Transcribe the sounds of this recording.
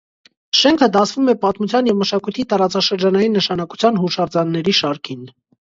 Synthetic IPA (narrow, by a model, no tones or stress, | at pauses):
ʃɛŋkʰəd̪ɑt͡sʰvumɛpɑt̪mut͡sʰjɑnjɛvməʃɑkujt̪ʰit̪ɑɾɑt͡sɑʃəɾd͡ʒɑnɑjinːəʃɑnɑku̥t͡sʰjɑnɦuʃɑɾd͡zɑnːɛɾiʃɑɾkʰin